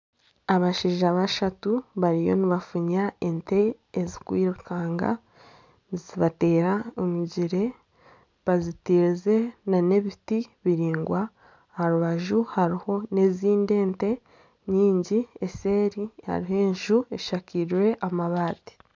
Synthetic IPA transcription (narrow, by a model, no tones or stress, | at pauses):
aβaʃiːʒaβaʃatuβaɾijo̞̰niβafuɲae̞nte̞ː | zikwiːɾukʰaːŋɡa̰ | ziβate̞ːɾaomuɟiɾe̞ | βazitiɾze̞nane̞βitiβiɾiːŋɡwa | haɾuβaʒuhaɾiho̞ne̞ziːnde̞ːnte̞ | ɲiːɲɟie̞se̞ːɾiha̰ɾiɦe̞ːɲʒue̞ʃakiɾwe̞ʔamaβaːti̥